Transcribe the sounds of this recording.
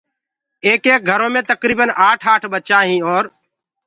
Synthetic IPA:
eːkeːk̚ɡʱəɾõːmẽːt̪əkɾiːbənaːʈʰaːʈʰbətːt͡ʃaɦĩːɔːɾ

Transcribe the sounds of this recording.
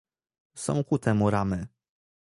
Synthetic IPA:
sɔ̰̃w̃kut̪ɛmuɾamɘ

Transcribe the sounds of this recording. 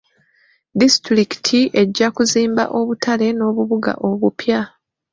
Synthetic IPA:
distɾiki̥tʰiʔe̞ɟːakuziːmba̰ʔo̞βutʰale̞no̞ːβuβuɡa̰ʔo̞βupja

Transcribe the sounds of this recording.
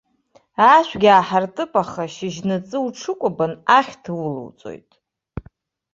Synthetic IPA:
aʃʷᶣɡʲaːħartʼɨpʼaχaʃɪʒnɨt͡sʼɨuʈ͡ʂʰɨkʷʼʊbanaχʲtʰwulɨ̰wt͡sʼo̞̰jtʼ

